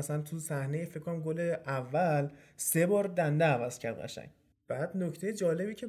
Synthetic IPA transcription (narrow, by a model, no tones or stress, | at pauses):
æsænt̪ʰusæhne̞jefekʰːonæmɡoleævːæl | se̞bɒːɾd̪ænd̪eævæz̥cʰæɾd̪ɣæ̰ʃæ̰ŋɟ | b̥æːd̪nocʰt̪ʰejed͡ʒɒːle̞biːcʰe